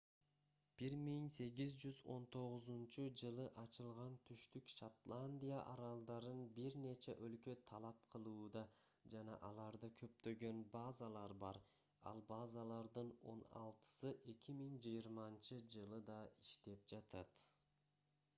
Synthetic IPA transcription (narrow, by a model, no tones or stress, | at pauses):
b̥iɾmiŋse̞ɡizd͡ʒyzo̞̰nt̪ʰo̞ʁuzunt͡ʃud͡ʒɯlˠɯʔɑt͡ʃɯlˠʁɑnt̪ʰyʃt̪ykʃat̪lˠanʲd̪ʲijaʔɑɾɑlˠd̪ɑɾɯnbiɾne̞t͡ʃeʔølkø̞t̪ʰɑlˠɑp̚qʰɯlˠuːd̪ɑd͡ʒɑnɑ̰ʔɑlˠɑɾd̪ɯkʰø̞p̚t̪ø̞ɡø̞nbɑːzalˠɑɾbɑɾ | ɑ̰lˠbɑzɑlˠɑɾd̪ɯno̞̰nɑ̰lˠt̪ɯ̥sɯʔe̞kʲimiŋd͡ʒɯjiɾmɑnt͡ʃɯd͡ʒɯlˠɯd̪ɑiʃt̪e̞p̚d͡ʒɑt̪ʰɑt̪